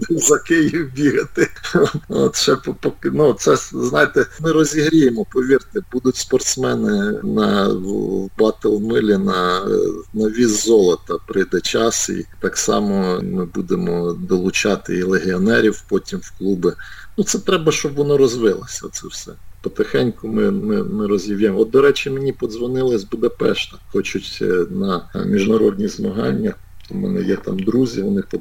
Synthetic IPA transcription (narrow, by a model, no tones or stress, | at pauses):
zɐkɪjiwbʲiɦɐt̪ɪ | o̰t̪ʃɛpɔpɔknusɛznɑjet̪ɛmɪɾɔzʲiɦɾʲijemɔpɔʋʲirt̪ɪbud̪ʊtʲspɔrt̪smɛnɪnɐ | wbɑt̪elˠmɪlʲinɐ | nɐʋʲizːɔlˠɐt̪ɐpɾɪjd̪ɛt͡ʃɑsḭt̪ɑksɑ̰mɔmɪbud̪emɔd̪ɔlˠʊt͡ʃɑt̪ɪilˠeɦʲiɔnɛɾʲiwpɔtʲimwklˠubɪnut̪sɛt̪ɾɛbɐʃt͡ʃɔbʋɔnɔɾɔzʋɪlˠɐsʲɐ̰t̪sɛwsɛ̰pɔt̪exɛnʲkʊmɪmɪmɪɾɔzʲjiwjɛmɔd̪̚d̪ɔɾɛt͡ʃɪmenʲipɔd̪zʋɔnɪlˠɪsʲbʊd̪ɐpɛʃt̪ɐ̥xɔt͡ʃʊtʲnɐmʲiʒnɐɾɔdʲnʲizmɐɦɑnʲːɐt̪upt̪ʰɔmɛ̰nɛ̰jɛt̪ɑ̰md̪ɾuzʲiʋɔnɪpɔ